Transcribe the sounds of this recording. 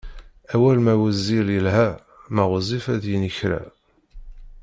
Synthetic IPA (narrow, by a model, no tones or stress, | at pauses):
æwælmæwæzːiljəlhæ | mæʁəzˤifæðjənəçɾæ̰